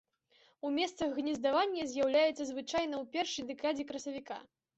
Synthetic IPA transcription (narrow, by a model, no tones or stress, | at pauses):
umʲɛst̪sɐɣɣnʲizd̪avanʲːɐzʲjawlʲajɛt̪sɐzvɨt͡ʂajnɐwpʲɛrʂɨjd̪ɛkad͡zʲɛkɾɐsɐvʲika̰